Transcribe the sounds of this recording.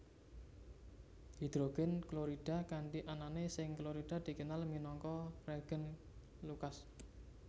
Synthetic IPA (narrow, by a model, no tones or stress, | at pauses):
hi̤d̪̥ɾoɡ̥ɛnkloɾiɖ̥a̤kaɳɖiʔananesɪŋkloɾiɖ̥a̤d̪̥i̤kənalminɔŋkɔreɡ̥ən | lukas